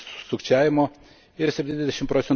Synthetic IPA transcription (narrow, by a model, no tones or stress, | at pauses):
sʊkt͡ʃʲæːʋʲɪmoː | ɪɾsʲɛpʲt̪ʲinʲɛzʲd̪ʲɛʃʲɪmpɾoːt̪ʲɛn